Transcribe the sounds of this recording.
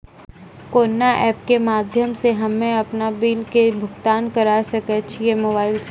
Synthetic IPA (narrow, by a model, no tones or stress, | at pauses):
koːnːaʔɛːp̚kemaːd̪ʱjəmseɦɐmːẽɐpnabiːlkebʱʊɡt̪aːnkɐɾasɐkət͡ʃʰijemoːbaːɪls